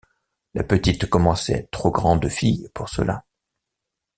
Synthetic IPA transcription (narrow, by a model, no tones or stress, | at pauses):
lʔapət̪it̪kɔmɑ̃sɛ̰t̪χoɡʁɑ̃d̪fijpuʁsə̰la̰